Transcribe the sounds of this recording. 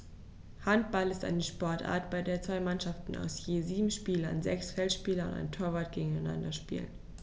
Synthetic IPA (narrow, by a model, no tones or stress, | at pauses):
hant̚b̥alɪsta̰ɪnəʃpɔɐtʔa̰ːɐtb̥aɪdeːɐt͡sv̥aɪmanʃaftn̩a̰ʊsjeːziːbm̩ʃpiːlɐnzɛksfɛltʃpiːlɐʊ̰nta̰ɪntʰoːɐvaːt̚ɡ̥eːɡŋ̩aɪna̰ndɐʃpḭːlə̰n